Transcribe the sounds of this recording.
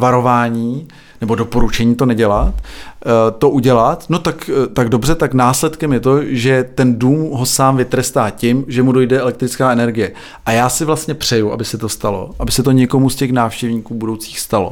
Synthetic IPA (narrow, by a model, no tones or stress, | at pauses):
vaɾo̞vaːɲiː | nɛbo̞do̞po̞ɾut͡ʃɛɲiːt̪o̞nɛɟɛlat̪ | t̪o̞ʔuɟɛlat̪no̞t̪akt̪aɡdo̞br̝ɛt̪aknaːslɛt̪kɛmjɛt̪o̞ʒɛt̪ɛnduːmɦo̞saːmvɪt̪ɾɛst̪aːcɪmʒɛmudo̞jdɛɛlɛk̚t̪ɾɪt͡skaːɛnɛɾɡɪjɛ | ʔajaːsɪvlast̪ɲɛpr̝̥ɛjuʔa̰bɪsɛt̪o̞st̪alo̞̰ʔabɪsɛt̪o̞ɲɛko̞muscɛxnaːfʃcɛvɲiːkuːbudo̞wt͡siːxst̪alo̰